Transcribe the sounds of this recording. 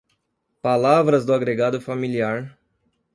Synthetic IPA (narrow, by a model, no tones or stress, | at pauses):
palavɾɐzd̪ʊaɡɾeɡad̪ʊfamiliaɾ